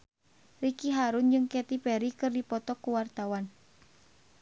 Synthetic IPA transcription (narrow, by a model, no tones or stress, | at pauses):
rikiɦaɾund͡ʒɨŋkɛt̪ipɛɾikɨrdipɔt̪ɔkuwart̪awan